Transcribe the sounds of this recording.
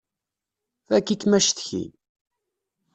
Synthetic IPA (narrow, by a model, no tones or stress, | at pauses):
θækːikmæʃθçḭn